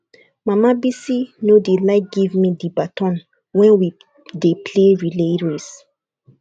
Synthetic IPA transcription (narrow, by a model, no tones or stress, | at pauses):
mamabisinodelaɪk̚ɡ̥ivmidibatɔ̃n | wɛ̃nwi | depʰleɹileɹes